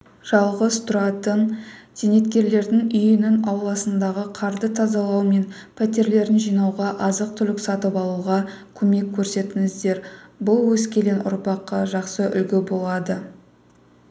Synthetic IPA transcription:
ʒ̥ɑlˠʁəzt̪ʰʊɾɑt̪ənt̪ʰene̞t̪kʲe̞ɾle̞ɾd̪ɪŋʏjɪnɪnɑwlˠɑsənd̪ɑʁəqʰɑɾd̪ət̪ʰɑzɑlˠɑwme̞npʰæt̪e̞ɾle̞ɾɪnʒijnɑwʁɑʔɑzəq̚t̪ʰʏlɪksɑt̪əpɑlˠuʁɑkʲʰɵme̞kʲʰːɵɾse̞t̪ɪŋɪzd̪e̞ɾbʊlˠwɵskʲe̞le̞nʊ̰ɾpɑqːɑʒɑqsəʔʏ̰lɡʲɪbo̞lˠɑd̪ə

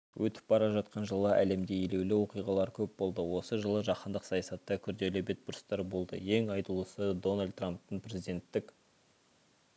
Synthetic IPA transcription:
wʔɵt̪ɪ̥p̚bɑɾɑʒɑt̪qɑnʒəlˠəʔæ̰le̞md̪e̞je̞le̞wlɪwo̞qijʁɑlˠɑɾkʲʰɵp̚bo̞lˠd̪əwo̞səʒəlˠəʒɑqənd̪əqsɑjɑsɑt̪ːɑkʲʰʏɾd̪e̞lɪbe̞t̪̚bʊɾst̪ɑɾbo̞lˠd̪ə̰je̞ŋɑjt̪əlˠəsəd̪o̞nalʲd̪ramp̚t̪ːəɴpʰɾʲe̞zid̪e̞nt̪ːɪk

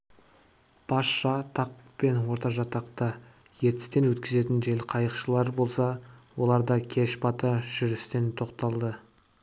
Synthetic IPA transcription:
b̥ɑsʃɑt̪ʰɑq̚pe̞nwo̞ɾt̪ɑʒɑt̪ɑqt̪ɑ | je̞t̪ɪ̥st̪e̞nwɵt̪kʲɪze̞t̪ɪnʒe̞lqʰɑjəqʃəlˠɑɾbo̞lˠsɑwo̞lˠɑɾd̪ɑkʲʰe̞ʃpɑt̪ɑʒ̥ʏɾɪst̪e̞nt̪ʰo̞qt̪ɑlˠd̪ə

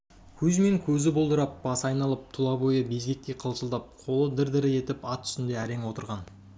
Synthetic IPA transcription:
kʲʰɵzme̞ŋkʲʰɵzɪbolˠd̪əɾɑp̚b̥ɑsɑjnɑlˠəp̚t̪ʰʊlˠɑbojəbe̞zɡʲe̞k̚t̪e̞qʰəlˠsəlˠd̪ɑp̚qʰo̞lˠəd̪ɪɾd̪ɪɾɪe̞t̪ɪpɑt̪ʰːʏ̥st̪ɪnd̪e̞æɾe̞ŋwo̞t̪əɾʁɑn

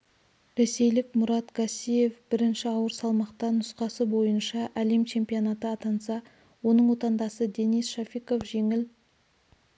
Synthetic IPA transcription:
ɾe̞se̞jlɪkmʊɾɑt̪ɡʰasʲije̞fbɪɾɪnʃɪɑwəɾsɑlˠmɑqt̪ɑnʊsqɑsəbo̞jənʃɑʔæle̞mt͡ʃʰe̞mpijonɑt̪əɑt̪ɑnsɑ | wo̞nəɴwo̞t̪ɑnd̪ɑsəd̪e̞nijsʃafiko̞fʒe̞ŋɪl

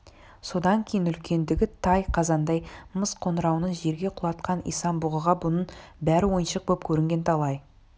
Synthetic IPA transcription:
so̞d̪ɑŋkʲʰejɪnʏlkʲʰe̞nd̪ɪɡʲɪt̪ʰɑjqʰɑzɑnd̪ɑjməsqʰo̞nəɾɑwnəɴʒe̞ɾɡʲe̞qʰʊlˠɑt̪qɑnḭjsɑmbʊʁəʁɑbʊnəɴbæɾɪwo̞jənʃəq̚bop̚kʲʰɵɾɪŋɡʲe̞nt̪ʰɑlˠɑj

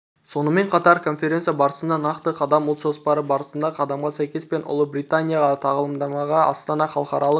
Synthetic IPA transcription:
so̞nəme̞ɴqʰɑt̪ɑɾkʰo̞nfʲeɾe̞nsjabɑɾəsənd̪ɑnɑqt̪əqʰɑd̪ɑmʊlˠt̪ʒo̞spɑɾəbɑɾəsənd̪ɑqʰɑd̪ɑmʁɑsæjkʲe̞spe̞nʔʊ̰lˠəbɾʲijt̪anʲijaʁɑt̪ʰɑʁəlˠəmd̪ɑmɑʁɑɑ̰st̪ɑnɑχɑlˠqɑɾɑlˠə

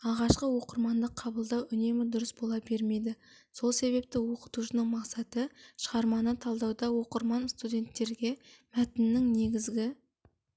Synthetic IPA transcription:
ɑʁɑʃqəwo̞qəɾmɑnd̪əqʰːɑbəlˠd̪ɑwʔʏne̞mɪd̪ʊɾəsbolˠɑbe̞ɾme̞jd̪ɪ | so̞lˠse̞βe̞p̚t̪ɪwoqə̥t̪uʃənəɴmɑqsɑt̪əʃəʁɑɾmɑnət̪ʰɑlˠd̪ɑwd̪ɑwo̞qəɾmɑnst̪ud̪ʲe̞nt̪ːe̞ɾɡʲe̞mæt̪ɪnɪnːɪŋne̞ɡʲɪzɡʲɪ

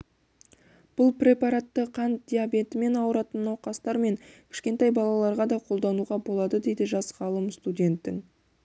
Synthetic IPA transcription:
b̥ʊlˠprʲe̞pɑɾat̪ːəqʰɑnd̪ʲijabe̞t̪ɪme̞nɑwəɾɑt̪ənːoqɑst̪ɑɾme̞ŋkʲʰɪ̥ʃkʲe̞nt̪ɑjbɑlˠɑlˠɑɾʁɑd̪ɑqʰo̞lˠd̪ɑnuʁɑbo̞lˠɑd̪əd̪e̞jd̪ɪʒɑsʁɑlˠəmst̪ud̪ʲe̞nt̪ːɪŋ

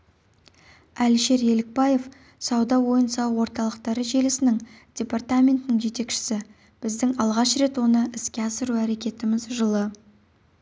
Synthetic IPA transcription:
ælʃe̞ɾje̞lɪk̚pɑje̞f | sɑwd̪ɑwo̞jənsɑwwo̞ɾt̪ɑlˠəqt̪ɑɾəʒe̞lɪsɪnɪŋd̪̥ʲe̞part̪amʲe̞nt̪ɪnɪŋʒe̞t̪e̞kʃɪ̥sɪ | b̥ɪzd̪ɪŋɑlˠʁɑʃɾe̞t̪wo̞nəʔɪskʲe̞ɑsəɾuæɾe̞kʲe̞t̪ɪmɪzʒəlˠə

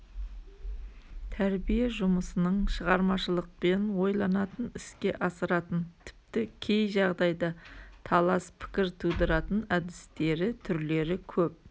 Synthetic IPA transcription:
t̪ʰæɾbijeʒʊməsənəɴʃəʁɑɾmɑʃəlˠəq̚pe̞nwo̞jlˠɑnɑt̪ənɪskʲe̞ʔɑsəɾɑt̪ənt̪ʰɪ̥p̚t̪ɪkʲʰe̞jʒɑʁd̪ɑjd̪ɑt̪ʰɑlˠɑspʰɪ̥kʲɪɾt̪ʰud̪əɾɑt̪ənæd̪ɪst̪e̞ɾɪt̪ʰʏɾle̞ɾɪkʲʰɵp̚

